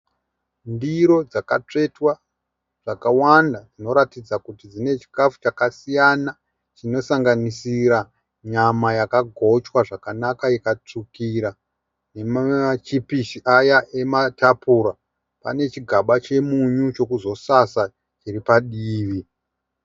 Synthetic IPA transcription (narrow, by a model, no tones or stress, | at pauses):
ndiɾo̞d͡zaka̰t͡ʂe̞twa | ʐ̥akawandad͡zino̞ɾatid͡zakutid͡zine̞t͡ʃi̥kafu̥t͡ʃakasijana | t͡ʃino̞saŋɡanisiɾa | ɲamajakaɡʱo̞t͡ʃwaʐakanakaikat͡ʂukiɾa | ne̞mat͡ʃipiʃiʔajaʔe̞matapuɾa | pa̰ne̞t͡ʃiɡʱaɓat͡ʃe̞muɲut͡ʃo̞kuzo̞sasa | t͡ʃiripaɗiːʋi